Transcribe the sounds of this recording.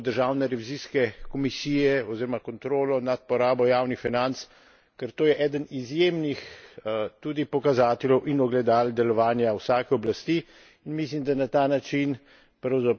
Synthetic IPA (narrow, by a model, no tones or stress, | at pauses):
d̪əɾʒaːwnɛɾɛʋiziːskɛkɔmisiːjɛɔziːɾɔmakɔnt̪ɾoːlɔnat̪̚pɔɾaːbɔjaːwnixfinant̪s | kɛɾt̪oːjɛʔɛːd̪ənizjeːmnix | t̪uːd̪ipɔkazaːt̪ɛljɛwʔinɔɡlɛd̪aːld̪ɛlɔʋaːnjawsaːkɛɔblast̪iː | inmislimd̪anat̪aːnat͡ʃin | pɾawza